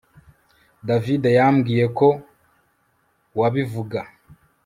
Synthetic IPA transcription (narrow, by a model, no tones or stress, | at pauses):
davidejamɡiːje̞ko̞ | waβivuɡa